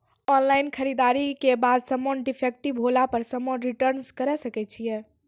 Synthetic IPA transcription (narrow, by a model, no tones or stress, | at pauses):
ɔnlainkʰəɾid̪aɾikebad̪səmonɖipʰek̚ʈibɦolapəɾsəmonɾiʈəɾnskəɾɛsəkɛt͡ʃʰijɛ